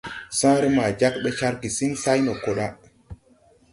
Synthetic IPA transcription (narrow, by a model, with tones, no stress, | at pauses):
sã˦ɾi˦ma˨d͡ʒa˦k̚ɓɛ˦t͡ʃa˦ɾki˨si˦nsa˦jno˨ko˨ɗa˦